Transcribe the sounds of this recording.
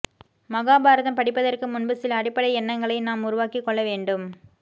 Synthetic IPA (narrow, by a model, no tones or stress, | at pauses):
mɐɣaːbaːɾɐðɐmpɐɽɪpːɐðɐrkɯmʊnbɐsɪlɐɽɪpːɐɽɐɪɛnːɐŋɡɐɭɐɪnaːmʊɾʊʋaːkikːɔɭːɐʋeːɳɖɯm